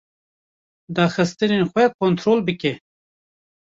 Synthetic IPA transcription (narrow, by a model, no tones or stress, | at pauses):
d̪ɑːxəst̪əninxwekont̪ɾoːlbəke